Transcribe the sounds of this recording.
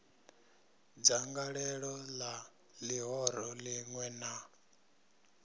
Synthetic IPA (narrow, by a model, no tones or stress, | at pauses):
d͡zaŋɡaɺɛɺɔla | liɦɔɾɔliŋwɛna